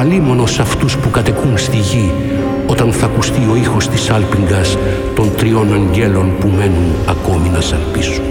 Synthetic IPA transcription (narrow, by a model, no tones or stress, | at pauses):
ɐlimo̞nosɐft̪uspukɐt̪e̞kunst̪iʝi | o̞t̪ɐnθɐkust̪io̞ixo̞st̪isɐlpiŋɡɐs | t̪o̞nt̪ɾio̞nɐɲɟe̞lo̞npume̞nunɐko̞minɐsɐlpisu̥n